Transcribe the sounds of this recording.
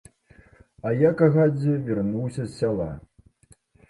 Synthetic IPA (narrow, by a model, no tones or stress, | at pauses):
ɐjakaɣad͡zʲɛvʲɛrnuwsʲɐsːʲalˠa̰